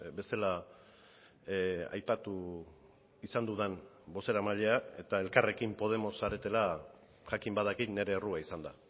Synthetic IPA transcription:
be̞st̪ela | a̰jpat̪u | isand̪uð̞en | bo̞se̞ɾamaʎe̞ae̞t̪ae̞lkare̞kimpo̞ð̞e̞mo̞saɾe̞t̪e̞la | ʝakimbaðakit̪ne̞ɾe̞ːruaisand̪a

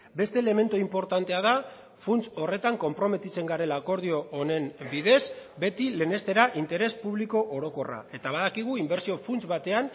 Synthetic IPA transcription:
be̞st̪e̞ːle̞me̞nt̪uimpo̞ɾt̪ant̪e̞að̞a | funt͡so̞re̞t̪aŋko̞mpɾo̞me̞t̪it͡se̞ŋɡaɾe̞lako̞ɾð̞io̞ːne̞mbiðe̞zbe̞t̪ile̞ne̞st̪e̞ɾaʔint̪e̞ɾe̞spuβliko̞ʔoɾo̞ko̞ra̰e̞t̪aβaðakiɣ̞uimbe̞ɾsio̞funt͡sβat̪e̞an

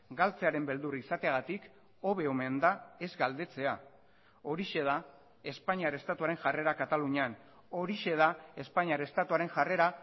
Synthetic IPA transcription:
ɡalt͡se̞aɾe̞mbe̞ld̪urisat̪eaɣ̞at̪ik | o̞βe̞o̞me̞nd̪ae̞zɡald̪e̞t͡se̞a | o̞ɾiʃe̞ð̞a | e̞spaɲiaɾest̪at̪uaɾe̞ŋʝare̞ɾakat̪aluɲean | o̞ɾiʃe̞ð̞ae̞spaɲiaɾest̪at̪uaɾe̞ŋʝare̞ɾa

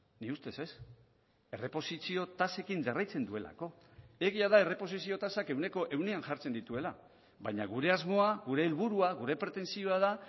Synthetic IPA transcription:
niust̪e̞se̞s | e̞re̞po̞sisio̞t̪ase̞kinʝarajt͡se̞nd̪ue̞la̰ko̞ | e̞ɣiaðae̞re̞po̞sisio̞t̪asake̞wne̞ko̞ʔe̞wneanʝaɾt͡se̞nd̪it̪ue̞la | βajɲaɣ̞uɾe̞azmo̞aɣuɾe̞ːlβuɾuaɣuɾe̞pɾe̞t̪e̞nsio̞aða

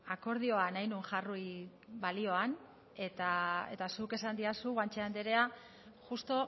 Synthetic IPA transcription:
ako̞ɾð̞io̞anajnueŋʝaruj | βalio̞an | e̞t̪ae̞̰t̪asuke̞sand̪iasuɣant͡ʃeand̪eɾe̞a | ʝust̪o̞

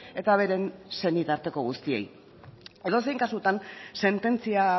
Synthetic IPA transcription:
e̞t̪aβ̞e̞ɾe̞nsenit̪aɾt̪e̞ko̞ɣ̞ust̪ie̞̰j | eðos̬e̞jŋkasut̪anse̞nt̪e̞nt͡sia

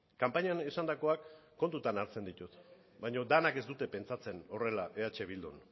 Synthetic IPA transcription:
kampaɲanesand̪ako̞akː | o̞nt̪ut̪anaɾt͡se̞nd̪it̪ut̪ | bajɲo̞d̪anake̞zd̪ut̪e̞pe̞nt͡sat͡se̞no̞re̞laʔe̞at͡ʃe̞β̞ild̪o̰n

